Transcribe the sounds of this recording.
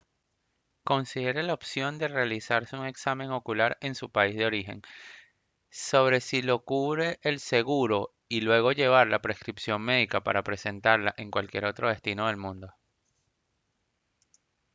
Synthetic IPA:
ko̞nsiðe̞ɾe̞laopsjo̞nd̪e̞realisaɾseuŋe̞ksamẽ̞ŋo̞kulaɾe̞nsupaizðeo̞ɾixe̞̰ŋ | so̞β̞ɾe̞silo̞kuβɾe̞ʔːlse̞ɣuɾo̞ | ilwe̞ɣo̞ʝe̞β̞aɾlapɾe̞skɾipsjo̞ŋme̞ðikapa̰ɾapɾe̞se̞nt̪aɾlaʔe̞ŋkwalkje̞ɾo̞t̪ɾo̞ð̞e̞st̪ino̞ð̞e̞lmũnd̪o̞

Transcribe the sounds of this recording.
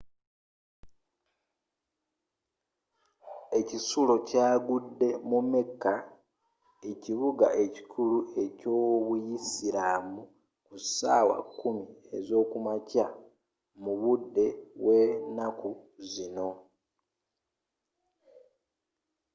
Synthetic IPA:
e̞cisulo̞caːɡudːe̞mumekːa | eciβuɡaʔe̞ci̥kʰulue̞co̞βujisiɾamu | kusa̰ːwa̰kːumiezo̞ːkumaca | muβudːe̞we̞ːnakuzino̞

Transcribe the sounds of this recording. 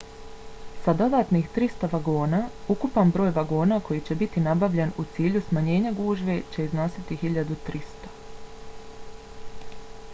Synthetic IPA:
sad̪o̞d̪aːt̪nixt̪ɾist̪oʋaɡo̞ːnaːukupanbɾo̞ːjʋaɡo̞ːnaːko̞jit͡ɕe̞bit̪inabaʋʎe̞nut̪siːʎusmaɲe̞ːɲaɡuːʒʋet͡ɕe̞izno̞sit̪iɦiʎad̪ut̪ɾist̪o̥

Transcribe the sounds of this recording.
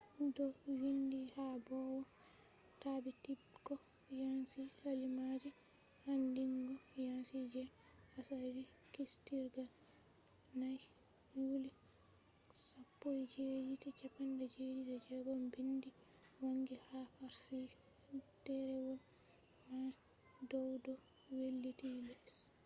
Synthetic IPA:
dɔwindihabɔwa | tabiti | ɡɔ | jansihalimad͡ʒɛ | handiŋɡɔjansid͡ʒɛ | asadi | kistiɾɡal | naj | juːli | sapːɔjd͡ʒed͡ʒitit͡ʃapandɛd͡ʒed͡ʒidɛd͡ʒɛɡɔmbindi | waŋɡihafaɾsi | tɛɾɛwɔl | ma | dɔwdɔ | welːitilɛs

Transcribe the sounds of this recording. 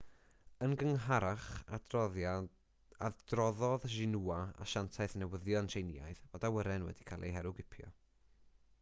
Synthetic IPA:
ənɡəŋɦaɾaχa | adrɔðɔðʒɪnuaa̰ʃantʰaɨθnɛwəðjɔntʰejnɪja̰jðvɔdawəɾɛnwɛ̰dikʰalˠʔḛjɦɛɾʊɡɪpʰjɔ̰

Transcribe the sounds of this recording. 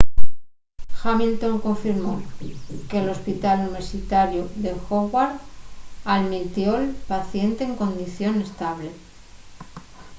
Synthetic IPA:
xamilt̪o̞ŋkoɱfiɾmo̞ke̞lo̞spit̪aluniβ̞e̞ɾsit̪aɾjuðe̞xoɣwaɾ | aðmit̪jo̞elpaθje̞nt̪e̞ːŋko̞nd̪iθjo̞ne̞st̪aβ̞le̞

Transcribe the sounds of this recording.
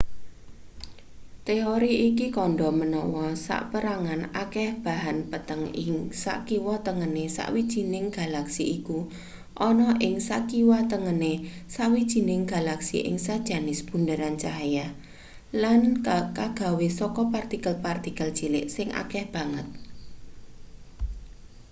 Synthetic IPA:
t̪eoɾiikikɔɳɖɔmənɔwɔsa̰ʔpəɾaŋanakɛhb̥a̤ɦanpət̪əŋɪŋsa̰ʔkiwɔt̪əŋənesa̰ʔwid̥ʒ̥i̤nɪŋɡ̥a̤laksiiku | ʔɔnɔʔɪŋsa̰ʔkiwat̪əŋənesaʔwid̥ʒ̥i̤nɪŋɡ̥a̤laksḭʔɪ̰ŋsad̥ʒ̥a̤nɪsb̥ṳndəɾant͡ʃaɦja | lankaɡ̥a̤wesɔkɔpart̪ikəlpart̪ikəld̥ʒ̥ilɪʔsɪŋʔa̰kɛhb̥a̤ŋət̪̚

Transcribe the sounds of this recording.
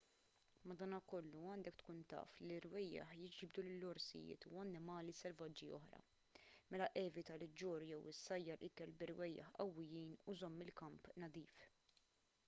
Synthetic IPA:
mɐd̪ɐːnɐkɔlːuɐːnd̪ɛkt̪kuːnt̪ɐ̰ːfliɾwɛjːɐ̰ħjɪd͡ʒbd̪ulɪlːɔɾsɪ̰jɪ̰ːt̪uɐnːɪmɐːlisɛlvɐd͡ʒːiɔħɾɐ̰ | mɛlɐʔɛːvɪt̪ɐlɪd͡ʒːɔːɾjɛwɪsːɐjːɐlʔɪkɛlbɪɾwɛjːɐ̰ħʔɐwːɪjiːnuzɔmːɪlkɐmpnɐd̪iːf

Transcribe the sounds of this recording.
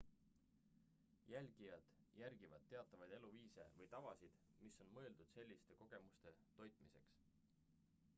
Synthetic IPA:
jælʲɡ̥ijɑd̪̥jæɾɡ̥ivɑd̪̥̚t̪ːe̞ɑt̪ːˑɑvɑjd̪e̞luviːse̞̰vɤjt̪ɑvɑsid̪̥miso̞nmɤ̞e̞ld̪̥ud̪̥se̞lʲːist̪e̞ko̞ɡ̥e̞must̪e̞t̪o̞jt̪ˑmise̞̰ks

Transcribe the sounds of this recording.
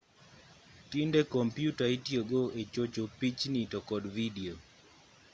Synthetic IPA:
tindekɔmpjutaitjoɡoet͡ʃot͡ʃopit͡ʃnitɔkɔdvidio

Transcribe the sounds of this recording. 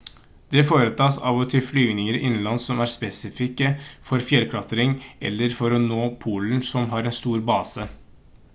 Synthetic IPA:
d̪̥ɛfoːɾət̪ʰɑːsɑ̰ʋɔt̪ʰɪlflyːʋnɪŋəɾʔɪnːnlɑnsɔmæɾspɛsɪfɪkːəfɔɾfjɛlkʰɽɑt̪əɾɪŋʔɛ̰lːəɾfɔɾɔnoːpʰuːln̩sɔmɦɑɾɛnst̪uːɾbɑːsə

